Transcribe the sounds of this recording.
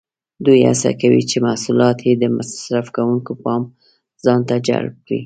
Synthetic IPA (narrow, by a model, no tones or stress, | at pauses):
d̪uja̰sa̰kawḭt͡ʃemahsulɑt̪ʰjed̪əmasɾafkawuŋkopɑm | zɑnt̪ad͡ʒa̰lb̚kɽḭ